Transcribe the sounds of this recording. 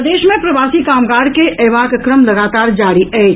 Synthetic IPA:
d̪eːʃmẽpɾɐʋaːsikaːmɡaːɽkeɛːʋaːkkɾəmlɐɡaːt̪aːɾd͡ʒaːɾiɛː

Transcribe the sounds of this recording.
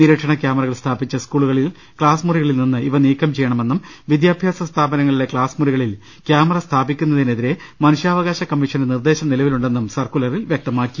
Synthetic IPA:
niɾeːkʂɐɳɐkjaːmɐrɐɣɐɭst̪ʰaːbit͡ɕːɐskuːɭuɣɐɭil | kɭaːsmuriɣɐɭilninːɨiʋɐniːkːɐmt͡ɕe̞jːɐɳɐme̞nːumʋid̪jaːbʱjaːsɐst̪ʰaːbɐnɐŋːɐɭule̞kɭaːsmuriɣɐɭil | kjaːmɐrɐst̪ʰaːbikʲːun̪ːɐðine̞ðiɾe̞mɐnuʂjaːʋɐɣaːɕɐkɐmːiʂɐndnird̪e̞ːɕɐmnilɐʋiluɳɖe̞nːumsɐrkulɐrilʋjek̚t̪ɐmaːkːi̥

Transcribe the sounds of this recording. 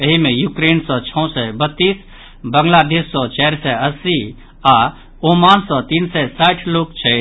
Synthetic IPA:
əɦimẽjukɾensɔt͡ʃʰɔ̃sɛbət̪ːiːs | bəŋɡlad̪eːsːɔ̃t͡ʃɛɾsɛəsi | a | omansɔ̃t̪insɛsaʈʰlokt͡ʃʰɛ

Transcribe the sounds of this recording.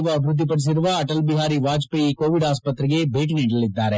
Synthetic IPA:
ʋɐbʱɾʊd̪ːipɐɾs̬ɪɾʋaɐʈəlbɪɦaːɾiʋaːd͡ʒpeikoːʋɪɖaːspət̪ɾəkebʱeːʈnẽːɖəlːɪd̪aːɾɛ

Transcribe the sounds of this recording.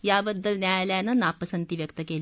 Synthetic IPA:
jaːbəd̪ːəlnʲjajaljanɐnaːpːəsɐnt̪iʋjəkt̪əkeːl

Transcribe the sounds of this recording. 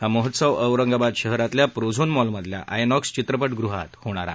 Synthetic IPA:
ɦaməɦət̪səʋəʋɾəŋɡabad̪ɕəɦɾat̪ljapɾod͡zʱonmɔlməd̪ʱlja̰ʔajnɔkst͡ɕit̪ɾəpəʈɡɾuɦa̰t̪hoɽ̃aɾa̰

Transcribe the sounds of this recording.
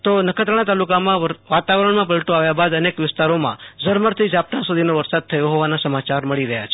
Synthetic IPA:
t̪onəkʰət̪ɾəɽ̃ãt̪alukamãʋat̪aʋɾəɳmãp̬əlʈoaʋjabad̪ənekʋɪst̪aɾomã̰d͡ʒəɾməɾt̪ʰid͡ʒap̚t̪ãsud̪ʱinoʋəɾsad̪̚t̪ʰəjoɦoʋanasəmat͡ʃaɾməɭiɾəɦja̰t͡ʃʰ

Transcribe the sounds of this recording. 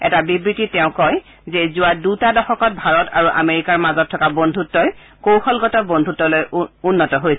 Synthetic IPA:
ɛ̰tabibɹititɛʊ̃kɔj | zɛzʊwadutadɔxɔkɔt̚bʱaɹɔtaɹuʔa̰meɹikaɹmazɔtʰːɔkabɔndʱutːɔj | kowxʰɔlɡɔtɔbɔndʱutːɔlojunːɔtɔɦojs

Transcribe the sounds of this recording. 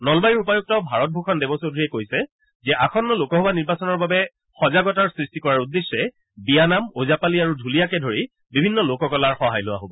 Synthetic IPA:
nɔlbajiɹupajuk̚tɔbʱaɹɔt̚bʱokʰɔndɛbɔsodʱɹiɛkojsɛ | zɛʔakʰɔnːɔlokɔɦobaniɹbasɔnɔɹbabɛ | xɔzaɡɔtaɹsɹistikɔɹaɹudːesːɛ | bijanamozapaliaɹudʱulijakɛdʱoɹi | bibʱinːɔlokɔkɔlaɹxɔɦajlʊwa̰ɦobɔ

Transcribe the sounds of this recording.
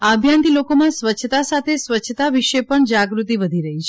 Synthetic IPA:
abʱjant̪ilokomãsʋət͡ʃʰət̪asat̪ʰesʋət͡ʃʰːət̪aʋiʃepəɳd͡ʒaɡɾut̪iʋəd̪ʱiɾəɦit͡ʃʰe

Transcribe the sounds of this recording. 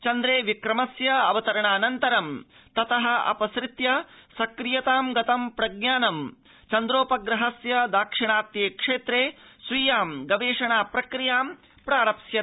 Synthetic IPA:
t͡ʃɐnd̪ɾeːʋikɾɐmɐsjɐɐʋɐt̪ɐɾɐɳaːnɐnt̪ɐɾɐm | t̪ɐt̪ɐɦɐ̆ɐ̰pɐsɾɪt̪jɐsɐkɾijɐt̪aːmɡɐt̪ɐmpɾɐɡ̚ɲaːnɐm | t͡ʃɐnd̪ɾoːpɐɡɾɐɦɐsjɐd̪aːkʂiɳaːt̪jeːkʂeːt̪ɾeːsʋiːjaːmɡɐʋeːʂɐɳaːpɾɐkɾijaːm | pɾaːɾɐpsjɐ

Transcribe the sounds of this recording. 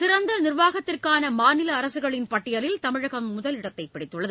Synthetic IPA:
sɪɾɐnd̪ɐnɪrʋaːɣɐt̪ːɪrkaːnɐmaːnɪlɐːɾɐsɯɣɐɭɪnpɐʈːɪjɐlɪlt̪ɐmɪɻɐɣɐmːʊðɐlɪɽɐt̪ːɐɪpːɪɽɪt̪ːɯɭːɐðɯ

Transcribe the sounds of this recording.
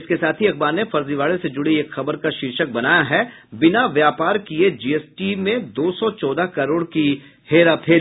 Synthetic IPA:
ɪskesaːt̪ʰiɐk̚baːɾnefɐɾziʋaːɭesed͡ʒʊɽieːkxɐbəɾkaʃiːɾʃək̚bɐnaːjaɦɛ | bɪnaʋjaːpaːɾkied͡ʒiːeːsʈimẽd̪oːsɔt͡ʃɔːd̪akɐɾoːɽki | heːɾap̪ʰeː

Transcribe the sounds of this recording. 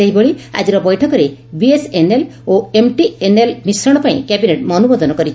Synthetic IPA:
ejboɭia̰d͡ʒiɾɔbɔjʈʰɔkɔɾebieseneloemʈienelmisɾɔɽ̃ɔpaḭ̃kɛbineʈmɔnubod̪ɔnɔkɔɾit͡ʃ

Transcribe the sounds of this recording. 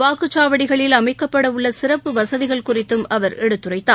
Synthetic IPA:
ʋaːkɯt͡ʃːaːʋɐɽɪɣɐɭɪlɐmɐɪkːɐpːɐɽɐʊɭːɐsɪrɐpːɯʋɐsɐðɪɣɐɭkʊrɪt̪ːɯmɐʋɐɾɛɽɯt̪ːɯrɐɪt̪ːaː

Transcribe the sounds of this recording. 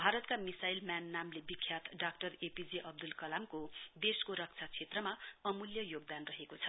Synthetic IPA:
bʱaɾʌt̪kamisajlmjanːamlebikʰːjat̪ɖakʈʌrepid͡ziʔʌb̚d̪ulkʌlamkob̪eskoɾʌk̚t͡sʰat͡sʰet̪rʌmaʌmuljʌjoɡ̚d̪anrʌɦekot͡sʰʌ̥

